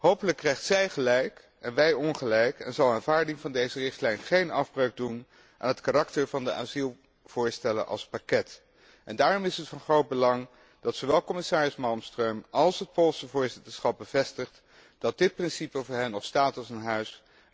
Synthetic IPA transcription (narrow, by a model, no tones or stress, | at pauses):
ɦowpələkːrɛjχtsɛjχəlɛjk | ɛnʋɛjɔnχəlɛjkɛ̰nzɑwˠaːnvaːɹdɪŋvɑndejzərɪχtlɛjnχejnɑfbraːɡ̚dun | ʔa̰ːnɦətkarɑktəɹvɑndəʔa̰ːzilˠ | v̥ʊːɹstɛlə̰nʔɑ̰lˠspakɛt | ʔɛndaːrɔmɪsətfɑnχrowd̚bəlɑŋ | d̥ɑtsowʋɛlˠkɔmɪsaːɹɪsmɑlˠmstrøɥmɑlˠsɦət̚polˠsəvʊːɹzɪtəɹsχɑp̚bəv̥ɛstəχt | d̥ɑt̚dɪt̚prɪnsipəvʊːɹɦɛnːɔχstaːtɑlˠsənɦœɥs